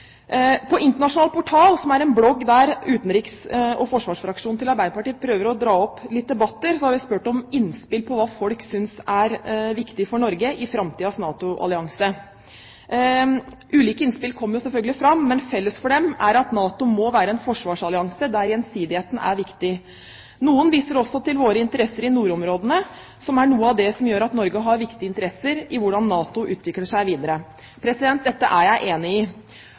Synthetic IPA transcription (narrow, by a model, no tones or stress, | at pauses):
pʰɔɪnt̪əɳɑʂʊnɑːlpʰʊʈʰɑːlsɔmæɾɛnblɔɡːd̪æɾʉːt̪n̩ɾiːksɔfɔʂʋɑːʂfɾɑkʂuːnʰɪlɑɾbæɪd̪əpɑʈiːpʰɾøːʋəɾɔd̪ɾɑːɔpːlɪt̪̚d̪ɛbɑt̪ːəɾsɔhɑɾʋɪspʉːʈɔmɪnːspɪlpʰɔʋɑːfɔlksʏnsæɾʋɪkt̪ɪfɔɳɔɾɡəʔɪfɾɑmt̪ʰiːɑsnɑːt̪ʊʔɑ̰lɪɑŋsə | ʔʉːliːkəɪnspɪlkʰɔmːəɾjʊsɛfœlɡəlɪfɾɑmːɛnfɛlːəsfɔɖɛmæɾɑt̪nɑːt̪ʊmɔʋæːɾəɛnfɔʂʋɑːʂɑlɪɑŋsəd̪æɾjɛnsiːd̪ɪheːt̪n̩æ̰ɾʋɪkt̪ɪ | nuːənʋiːsəɾɔsːɔt̪ɪlʋoːɾəɪnt̪əɾɛsːəɾɪnuːɾɔmɾoːd̪ənə | sɔmæɳuːəɑʋd̪ɛsɔmjøːɾɑt̪nɔɾɡəɦɑɾʋɪkt̪ɪəɪnt̪əɾɛsːəɾɪʋʊɖɑnːɑːt̪ʊʔʉːt̪ʰʋɪkləʂæɪʋiːd̪əɾə | pʰɾɛsɪd̪ɛnt̪̚d̪ɛt̪ːə̰ʔæɾjæɪʔeːnɪɪ